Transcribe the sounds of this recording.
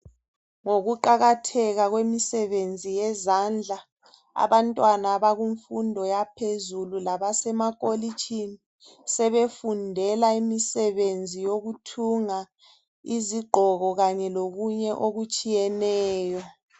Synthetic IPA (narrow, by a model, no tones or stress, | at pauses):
ŋoɣuǃaɣatʰɛɣaɣwemisɛβend͡zʱijɛzand͡ɮʱa | a̰βantʼwanaːβaɣuɱfundʱɔjapʰezululaβasɛmakʼolit͡ʃʰʼini | sɛβefundʱɛlaimisɛβend͡zʱijoɣutʰuŋa | iziɡ͡ǃʱɔɣɔɣaɲɛloɣuɲɛʔoɣut͡ʃʼijɛnɛːjɔ